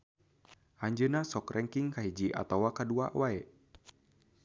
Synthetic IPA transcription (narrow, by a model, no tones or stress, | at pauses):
ʔaɲd͡ʒənasɔkrʔɛŋkiŋkaɦid͡ʒiʔa̰t̪awakadua̰ʔwaɛ